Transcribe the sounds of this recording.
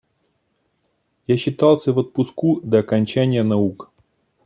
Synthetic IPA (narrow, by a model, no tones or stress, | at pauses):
jaɕːɪt̪ɑlˠsʲəvət̪̚pʊskud̪əːkɐnʲt͡ɕænʲɪjənɐuk